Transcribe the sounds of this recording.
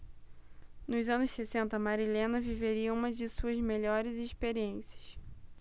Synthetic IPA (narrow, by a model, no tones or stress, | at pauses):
nʊzɐ̃nʊʃsesẽnt̪ɐmaɾilẽnɐviveɾiɐũmɐd͡ʒɪsuɐzmeʎɔɾɪziʃpeɾiẽsjɐ̥s